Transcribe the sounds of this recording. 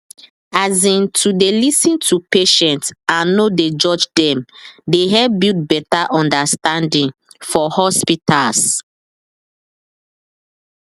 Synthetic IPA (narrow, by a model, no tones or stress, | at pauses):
azĩntʰudelisĩntʰupeʃɛ̃ntsãnːoded͡ʒɔd͡ʒdɛ̃mdeɦɛbilt̚bɛtaʔɔ̃ndastãndĩŋ | fɔhɔspitals